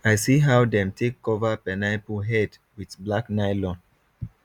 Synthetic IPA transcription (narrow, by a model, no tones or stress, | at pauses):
ajsiɦawdɛ̃mtʰekːɔvapɛnaɪpuɦɛd | widblaknaɪlɔ̃n